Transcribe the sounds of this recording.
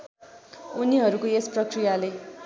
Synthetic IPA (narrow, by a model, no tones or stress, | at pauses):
uniɦʌɾukoesprʌkrijale